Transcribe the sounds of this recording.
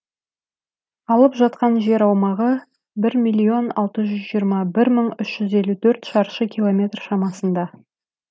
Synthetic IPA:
ɑlˠəpʒɑt̪̚qɑnʒe̞ɾɑwmɑʁə | bɪɾmijlʲːio̞nɑlˠt̪əʒʏzʒijəɾmɑbɪɾməɴʏʃʒ̥ʏze̞lut̪ʰɵɾt̪ʃɑɾʃəkʲʰilˠo̞mʲe̞t̪rʃɑmɑsənd̪ɑ

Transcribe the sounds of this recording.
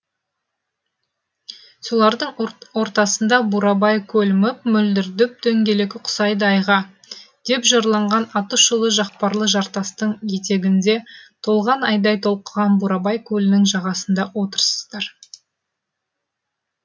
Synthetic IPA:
so̞lˠɑɾd̪əɴwo̞ɾt̪ɑsənd̪ɑbuɾɑbɑjkʲʰɵlmɪp̚mʏld̪ɪɾd̪ɪp̚d̪ɵŋɡʲe̞le̞kʲɪqʰʊ̥sɑjd̪əɑjʁɑ | d̪̥e̞pʒɑɾlˠɑɴʁɑnɑt̪əʃəlˠəʒɑq̚pɑɾlˠəʒɑɾt̪ɑst̪əɴje̞t̪e̞ɡʲɪnd̪e̞t̪ʰo̞lˠʁɑnɑjd̪ɑjt̪ʰo̞lˠqəʁɑnbuɾɑbɑjkʲʰɵlɪnɪŋʒɑʁɑsənd̪ɑwo̞t̪əɾsə̥zd̪ɑɾ

